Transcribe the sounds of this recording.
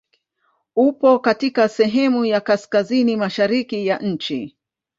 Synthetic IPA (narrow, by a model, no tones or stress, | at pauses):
upɔkatikasɛɦɛmujakaskazinimaʃaɾikijaʔɲ̩t͡ʃḭ